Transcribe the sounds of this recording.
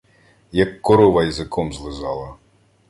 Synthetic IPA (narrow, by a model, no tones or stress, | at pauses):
jɐkːɔɾɔʋɐjizɪkʰɔmzlˠɪzɑlˠɐ